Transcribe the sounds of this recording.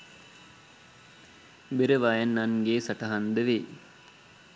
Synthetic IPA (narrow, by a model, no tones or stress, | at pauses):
beɾəʋajanːanɡeːsaʈɐɦand̪əʋe